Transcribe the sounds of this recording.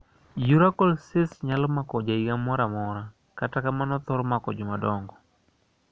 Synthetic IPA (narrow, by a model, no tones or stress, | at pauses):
juɾakɔlsɪsɲalɔmakɔd͡ʒaiɡamɔɾamɔɾa | katakamanɔt̪ɔɾɔmakɔd͡ʒɔmadɔŋɡɔ